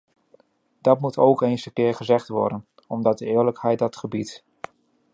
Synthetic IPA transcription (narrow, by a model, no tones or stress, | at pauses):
d̥ɑtmutowkejnsəkɪːɹχəzɛχtʋɔ̰ɹdən | ɔmdɑt̚dəɪːɹləkhɛjt̚dɑtχəbit